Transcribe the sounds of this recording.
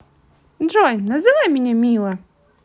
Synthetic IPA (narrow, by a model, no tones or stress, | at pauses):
dʐɔjnɐzɨvajmʲɪnʲɛmʲilˠɐ